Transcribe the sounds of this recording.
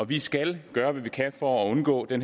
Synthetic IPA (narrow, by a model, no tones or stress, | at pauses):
ɒ̽ʋisɡ̥ælɡ̥ɶːɐʋæʋikʰæfɒːɔ̽nɡ̥ɔ̰ːd̥en